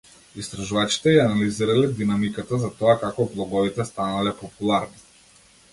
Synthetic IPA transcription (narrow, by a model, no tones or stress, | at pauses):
ist̪ɾaʒuvat͡ʃi̥t̪ɛjaanaliziɾalɛd̪inamikat̪azat̪ɔakakɔblˠɔɡɔvit̪ɛst̪analɛpɔpulˠaɾni